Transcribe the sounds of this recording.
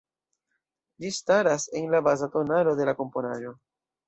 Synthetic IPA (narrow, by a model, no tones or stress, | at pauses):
d͡ʒistaɾase̞nlabazato̞nalo̞de̞lako̞mpo̞naʒo̞